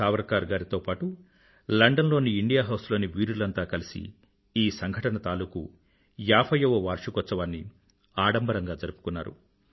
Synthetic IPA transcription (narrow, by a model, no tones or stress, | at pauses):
aːʋɐɾkaːɾɡaːɾit̪o̞ːpaːʈu | lɐɳɖɐnlo̞ːniːɳɖijaːɦɐwslo̞ːniʋiːɾulɐnt̪aːkɐlisḭ | iːsɐŋɡʱɐʈɐnɐt̪aːluːku | jaːpʰɐjɐʋɐʋaːɾʂukɔt͡ʃːɐʋaːnːi | aːɽɐmbɐɾɐŋɡaːd͡ʒɐɾupu̥kunːa̰ːɾṵ